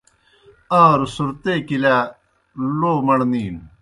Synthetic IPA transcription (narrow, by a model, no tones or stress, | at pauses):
aːɾusuɾt̪ekilæ | loːmɐɽniːn